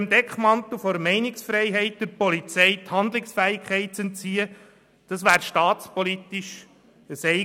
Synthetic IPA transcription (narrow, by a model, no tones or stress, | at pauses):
əmd̪ɛkχmɑnt̪l̩fɔɾmɛɪnɪksfɾɛɪɦɛɪt̚d̥əpɔlit͡sɛɪt̪hɑnd̪lɪksfæːɪkʰχɛɪt̚t͡sɛntt͡siːə | d̪̥ɑsʋæːɾʃtɑːtspɔlit̪ɪʃ | əsɛɪ